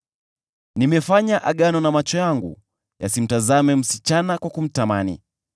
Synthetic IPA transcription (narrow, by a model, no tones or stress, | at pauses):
nimɛfaɲaʔaɠanɔnamat͡ʃɔjaŋɡṵ | jasim̩tazamɛm̩sit͡ʃanakwakum̩tamanḭ